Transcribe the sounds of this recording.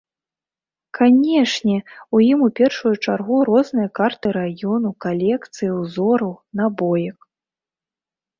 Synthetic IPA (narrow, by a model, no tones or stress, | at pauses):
kʰanʲɛʂnʲɛujimupʲɛrʂujut͡ʂarɣuɾɔznɨjɐkart̪ɨɾajɔnukalʲɛkt̪sɨjiwzɔɾɐwnabɔjɐk